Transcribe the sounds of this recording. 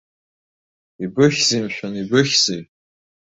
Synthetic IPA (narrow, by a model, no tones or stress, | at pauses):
ibɨχʲzimʃᶣanibɨχʲz̥i